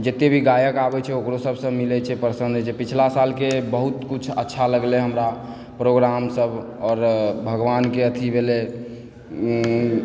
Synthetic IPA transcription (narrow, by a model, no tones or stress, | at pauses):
d͡ʒet̪ebʱiɡajəkabɛt͡ʃʰɛokɾosəbʱsə̃milɛt͡ʃʰɛpɾsə̃nd̪ʱt͡ʃʰɛpit͡ʃʰlasalkebəɦut̪kut͡ʃʰə̰tːʃʰaləɡleɦəmɾa | pɾoɡɾamsəbʱ | ɔːɾbʱəɡʋankeət̪ʰibʱele